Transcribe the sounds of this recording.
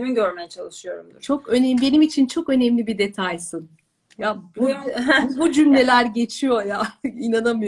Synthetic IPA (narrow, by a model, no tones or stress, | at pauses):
eminɟøɾmejɛt͡ʃʰalˠɯʃɯjo̞̰ɾumd̪uɾt͡ʃʰo̞kønɛbe̞nimit͡ʃʰint͡ʃʰo̞kø̞nɛmlʲibid̪e̞t̪ʰajsɯn | jabubud͡ʒymlʲe̞lʲæɾɟe̞t͡ʃʰijo̞jaːinanamɯjo